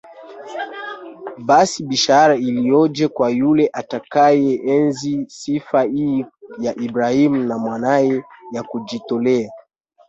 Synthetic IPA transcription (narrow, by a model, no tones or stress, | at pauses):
basiɓiʃaɾailijɔd͡ʒɛkwajulɛʔatakajɛʔɛnzisifaijaʔibɾahimunamwanajɛjakud͡ʒitɔlɛa